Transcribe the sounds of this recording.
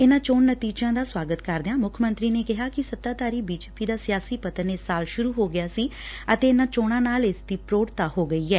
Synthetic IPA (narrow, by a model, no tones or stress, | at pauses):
ɪnãːt͡ʃoːɳːət̪iːd͡ʒãːd̪aːswaːɡət̪kəɾd̪ɪjãːmʊkʰmə̃nt̪ɾiːneːkɪɦaːkɪsət̪ːaːt̪aːɾiːbiːd͡ʒeːpiːd̪aːsɪjaːsiːpət̪əɾneːsaːlʃʊɾuːɦoːɡɪjaːsiːət̪eːɪnãːt͡ʃoːɽ̃ãːnaːlɪsd̪iːpɾoːɽt̪aːhoːɡəiːɛː